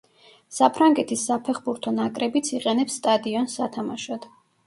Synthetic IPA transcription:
sapʰɾaŋɡɛt̪ʰisːapʰɛχbuɾt̪ʰɔnakʼɾɛbit̪sʰiqʼɛnɛpsːt̪ʼad̪iɔnsːat̪ʰamaʃad̪̥

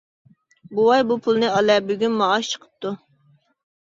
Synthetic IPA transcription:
buwɑjbupʰulˠnɨɑlɛbyɡʲynmɑːʃt͡ʃʰə̥qʰə̥p̚t̪u

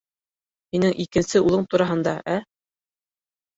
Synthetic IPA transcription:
hinɘŋʔikɘ̆nsɘulˠɤɴt̪uɾɑɦɤ̆nd̪ɑʔæ

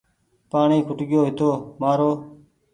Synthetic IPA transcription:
paːɳiːkʰʊʈɠɪjoːɦɪt̪oːmaːɾoː

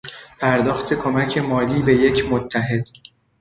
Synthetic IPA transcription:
pʰæɾd̪ɒːxt̪ʰe̞kʰo̞mæcʰe̞mɒːliːbe̞je̞cʰmot̪ʰːæɦe̞d̪̥

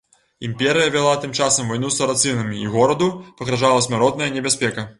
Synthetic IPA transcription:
ḭmpʲɛɾɨjɐvʲɛlˠat̪ɨmt͡ʂasɐmvajnusɐɾat̪sɨnɐmʲiːɣɔɾɐd̪upɐɣɾaʐalˠɐsʲmʲaɾɔd̪̚nɐjɐnʲɛbʲasʲpʲɛkɐ

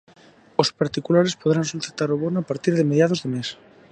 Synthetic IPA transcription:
ospaɾt̪ikulaɾespoðɾansult̪ɾet̪aɾoβonapaɾt̪iɾðemeðjað̞ozðemes

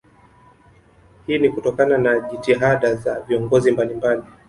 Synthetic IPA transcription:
hiːnikutɔkananaʄitiɦaɗazaviɔŋɡɔzimbalimbali

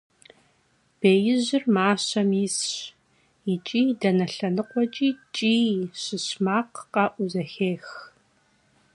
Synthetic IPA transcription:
b̥eːjɪʑɪrmaːɕɐmiːsɕ | ɪt͡ʃʼiːdɐnɐɬɐnɨqʷɔt͡ʃʼiːt͡ʃʼiːɕɪɕmaːqqɐʔʷʊzɐxeːx

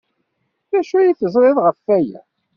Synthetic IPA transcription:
ðæʃujiθəzˤɾˤɪðˤʁəfːæjæ̰

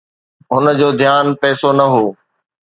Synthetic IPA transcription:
ɦʊnəd͡ʑoːd̪ʱijaːnpɛːsonɐɦoː

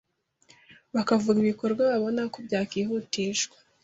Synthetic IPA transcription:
βakavuɡiβiko̞ɾɡwaβaβo̞nakobɟaːkiːhutiʃɡwḁ

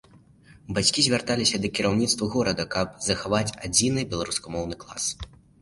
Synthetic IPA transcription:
bat͡sʲkʲizʲvʲart̪alʲisʲɐd̪ɐkʲiɾawnʲit̪st̪vɐɣɔɾɐd̪ɐkɐpzɐxavat͡sʲad͡zʲinɨbʲɛlˠaɾuskɐmɔwnɨklˠa̰s

